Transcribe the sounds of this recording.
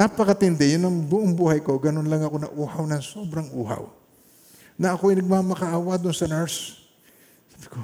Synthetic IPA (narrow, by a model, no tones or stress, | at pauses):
napɐkɐt̪ɪnd̪ɛjʊnɐŋbʊʔoŋbuːhɐjkoɡɐnonlɐŋɐkonɐ̰ʔuːhɐwnɐŋsoːbɾɐŋʔuːɦa̰w | nɐʔɐkoɐjnɐɡ̚mamɐkɐʔaːwɐd̪ʊnsɐnɛɹs | sḁːbɪ̥ko